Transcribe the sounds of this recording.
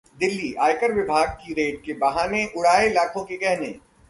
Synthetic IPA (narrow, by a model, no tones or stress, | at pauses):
d̪ɪlːiːʔaːjkəɾʋɪbʱaːɡ̚kiɾeːʈ̚kebɐɦaːneʔʊɽaːelaːkʰõkekɛɦnḛː